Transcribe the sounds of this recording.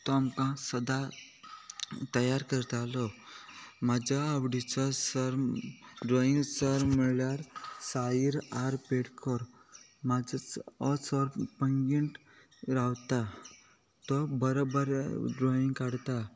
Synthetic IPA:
t̪ɔamkãsəd̪a | t̪əjaɾkəɾt̪alɔ | mad͡ʑaawɖit͡sɔsəɾɖɾɔiŋɡsəɾməɭljaɾsaiɾaɾpeɽkʰɔɾ | mad͡zəɔsɔɾpəŋɡiɳʈ | ɾawt̪a | t̪ɔbəɾobəɾɖɾoiŋɡkaɽt̪a

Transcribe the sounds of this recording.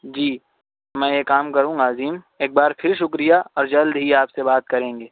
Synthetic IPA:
d͡ʒiː | mɛ̃ːjekaːmkɐɾũːɡaːziːm | eːk̚baːɾpʰɪɾʃʊkɾijaɔːɾd͡ʒɐld̪ɦiaːpsebaːt̪̚kɐɾẽːŋ̆ɡeː

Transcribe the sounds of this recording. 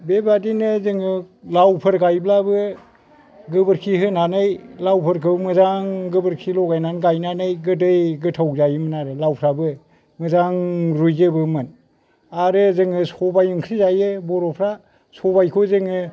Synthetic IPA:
bebadinɯzɯŋɯ | lawpʰɯɾɡajblabɯ | ɡɯbɯɾkʰiɦɯnanɯjlawpʰɯɾkʰɯmɯzaŋɡɯbɯɾkʰilɔɡajnanɡajnanɯjɡɯdɯjɡɯtʰawzajɯmɯnaɾɯlawpʰɾabɯ | mɯzaŋɾujzɯbɯmɯn | aɾɯzɯŋɯsɔbajɯŋkʰɾizajɯbɔɾɔpʰɾa | sɔbajkʰozɯŋɯ

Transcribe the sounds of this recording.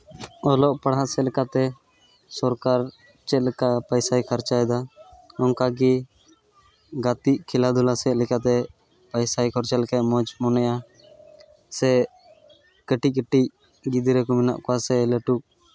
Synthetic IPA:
ɔlɔʔpaɽɦaʔsɛlɛkat̪ɛ | sɔɾkaɾ | t͡ʃɛt̪kapajsajkʰaɾt͡ʃajd̪aɔnkaɡi | ɡat̪iʔkʰilad̪ʱulasɛʔlɛkat̪ɛ | pajsajkʰɔɾt͡ʃɛlkɛʔmɔd͡ʒmɔnɛja | sɛ | kəʈic̚kəʈic̚ | ɡid̪iɾɛkɔmɛna̰ʔkɔasɛləʈuk̚

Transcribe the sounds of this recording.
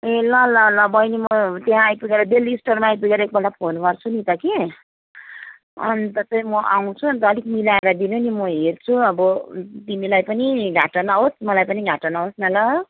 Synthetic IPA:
elʌlʌlʌbʌjnimʌt̪eɦãːjpuɡeɾʌd̪eliːsʈʌrmaːjpuɡeɾʌek̚bʌnɖapʰonpʌrt͡sʰunit̪ʌke | ʌ̰nit̪ʌt͡saj̃mʌʔaw̃t͡sʰuʌnit̪ʌlikmilaeɾad̪inunimʌɦert͡sʰuʌbʌt̪imilajpʌniɡʱaʈʌnaɦosmʌlajpʌniɡʱaʈʌnaɦosnʌlʌ

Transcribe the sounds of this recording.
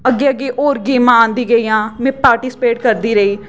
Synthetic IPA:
əɡːeːəɡeːʔoːɾɡiːmãːãːnd̪iːɡəiːãːmɛ̃ːpaːɾʈɪːsɪ̥peːʈkəɾd̪iːɾəiː

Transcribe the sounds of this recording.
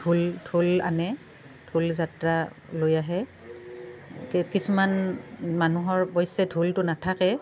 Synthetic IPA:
dʱuldʱula̰nɛ | dʱulzatɹa | lojaɦɛ | kkisumanmanuɦɔɹbɔjsɛdʱultʊnatʰakɛ

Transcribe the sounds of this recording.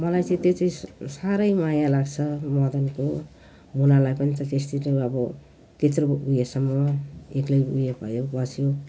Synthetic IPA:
mʌlajt͡sʌ̃ĩt̪et͡sʌĩsaɾʌjmajalaɡt͡sʰʌmʌd̪ʌnko | munalajpʌnit̪ʌ̃t̪est̪it̪oʌbʌ | t̪et̪ɾoujesʌmʌeklʌjṵjepʌ̰jobʌsjo

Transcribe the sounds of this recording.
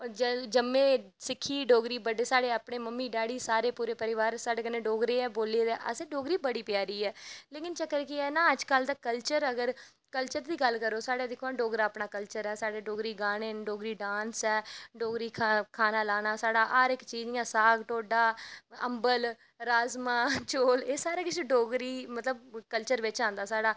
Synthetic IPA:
ɔːd͡ʒd͡ʒəmːẽː | sɪkʰːiːɖoːɡɾiːbəɖeːsaːɽeːaːpɳeːməmːiːɖaːɽiːsaːɾeːpuːɾeːpəɾɪʋaːɾsaːɖeːkɪnẽːɖoːɡɾeːɛːboːleːd̪eːʔə̰sẽːɖoːɡɾiːbəɽiːpjaːɾiːɛːleːkɪnt͡ʃəkːəɾkiɛːnãːəd͡ʒkəld̪aːkəlt͡ʃəɾəɡəɾ | kəlt͡ʃəɾd̪iːɡəlkəɾoːsaːɽeːd̪ɪkʰːõːɖoːɡɾaːəpɳaːkəlt͡ʃəɾɛːsaːɽeːɖoːɡɾiːɡaːneːɖoːɡɾiːɖãːnsɛːɖoːɡɾiːkʰakʰaːnaːlaːnaːsaːɖaːʔaːɾɪkt͡ʃiːd͡ʒãːsaːɡʈoːɖaːə̰mbəl | ɾaːzmãːt͡ʃoːleːsaːɾeːkɪseɖoːɡɾiːmət̪ləb̚kəlt͡ʃəɾʋɪt͡ʃãːnd̪aːsaːɽaː

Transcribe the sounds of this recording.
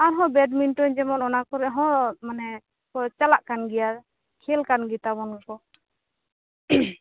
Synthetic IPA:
aɾɦɔ̃bɛɖminʈɔɲd͡ʒɛmɔnɔnakɔɾɛɦɔ̃manɛ | kɔt͡ʃalaʔkanɡɛja | kʰɛlkanɡit̪abɔnɔkɔ

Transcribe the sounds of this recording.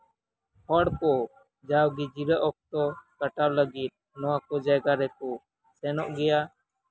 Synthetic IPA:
hɔɽkɔ | d͡ʒawɡid͡ʒiɾəʔɔk̚t̪ɔkaʈawləɡit̪̚ | nɔwakɔd͡ʒajɡaɾɛkɔ | sɛnɔʔɡɛja

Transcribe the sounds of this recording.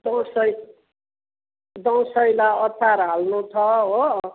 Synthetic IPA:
d̪ʌwsʌj | d̪ʌw̃sʌjlaʌt̪ʰaɾɦalnut̪ʰʌɦo

